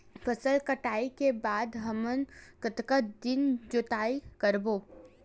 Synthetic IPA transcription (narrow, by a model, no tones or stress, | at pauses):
fʰəsəlkəʈaːikebaːd̪ɦɐmənkət̪kəd̪ɪnd͡ʒot̪aːikəɾboː